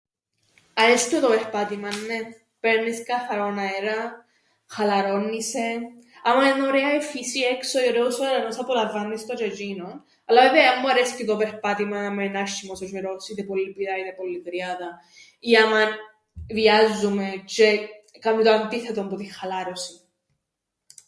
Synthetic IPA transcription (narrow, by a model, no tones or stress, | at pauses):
aest̪ut̪opeɾpat̪imanːe | peɾniskaθaɾonaeɾa | xalaɾonːise | amaenoɾeaefisieksojoɾeusoɾanosapolavanːist̪od͡ʒed͡ʒinon | alːaveveamːuaɾescit̪opeɾpat̪imaamaenaʃːimosot͡ʃeɾosiðepolːipiðaiðepolːit̪ɾjaða | iaman | viazːumet͡ʃe | kamit̪oant̪iθet̪ompuðixalaɾosi